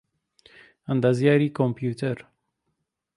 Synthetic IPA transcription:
and̪azjaːɾiːkʰompjuːt̪ʰɛɾ

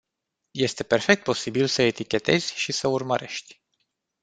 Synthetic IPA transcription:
je̞st̪e̞pe̞rfek̚t̪̚po̞sibilsəet̪ikʲe̞t̪e̞̰z̥ʲʃisəurməɾe̞ʃt̪ʲ

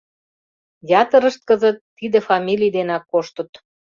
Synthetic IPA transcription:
jɑt̪ə̆ɾə̆ʃt̪̚kə̆zə̆t̪ːid̪ĕfɑmʲilʲijd̪enɑkːoʃt̪ə̆t̪

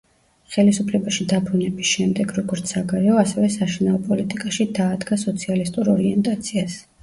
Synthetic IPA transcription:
χɛlisupʰlɛbaʃid̪abɾunɛbisʃɛmd̪ɛɡɾɔɡɔɾt̪sʰaɡaɾɛɔasɛvɛsaʃinaɔpʼɔlit̪ʼikʼaʃid̪aːd̪ɡasɔt̪sʰialist̪ʼuɾɔɾiɛnt̪ʼat̪sʰias

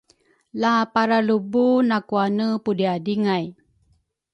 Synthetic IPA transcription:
lapaɾalubunakuanəpudiadiŋaj

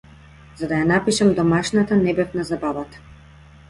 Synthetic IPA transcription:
zad̪ajanapiʃamd̪ɔmaʃnat̪anɛbɛvnazabavat̪ḁ

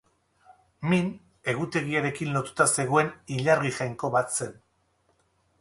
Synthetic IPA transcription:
min | e̞ɣut̪e̞ɣiaɾe̞kinlo̞t̪u̥t̪ase̞ɣ̞o̞e̞niʎaɾɣiʝajŋko̞βat̪se̞n

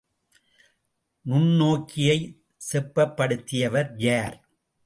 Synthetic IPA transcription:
nʊɳnoːkːɪjɐɪ | sɛpːɐpːɐɽɯt̪ːɪjɐʋɐɾjaːɾ

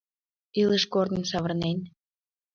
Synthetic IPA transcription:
iləʃkord̪ənsɑβərnen

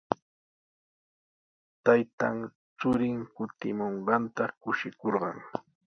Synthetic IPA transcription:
t̪ajt̪a̰ŋ | t͡sʊɾɪŋkʊt̪ɪmoɴɢɑnt̪akʊʃɪkoɾɢɑ̰ŋ

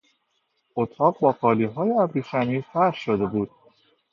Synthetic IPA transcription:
ot̪ʰɒːɢbɒːqɒːliːɦɒːjeæbɾiːʃæniːfæɾhʃod̪e̞buːd̪̥̚

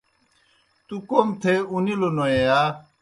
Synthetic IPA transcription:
t̪ukomt̪ʰeunilonoea

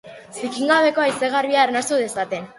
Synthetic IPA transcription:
sikiŋɡaβe̞koajseɣ̞arβiaːrnast̪uðe̞sat̪e̞n

